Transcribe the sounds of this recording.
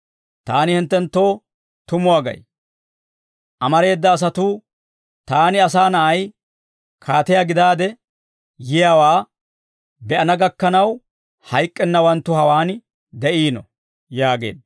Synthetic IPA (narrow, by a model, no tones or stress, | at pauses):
t̪aːnɪhɪnt̪ːɛnt̪ːo̞ː | t̪ʊmʊwaːɡɐ̰j | ʔɐmɐɾe̞ːd̪ːɐːs̬ɐt̪uː | t̪aːnɪɐs̬aːnɐʔɐj | kʰaːt̪ɛjaɡɪd̪aːd̪ɛ | jɪjaːwaː | bɛʔɐnɐɡɐkːɐnɐw | hɐjkʼːɛnːɐwɐnt̪ːʊhɐwaːn | d̪ɛʔiːnɔ̰ | jaːɡe̞̰ːd̪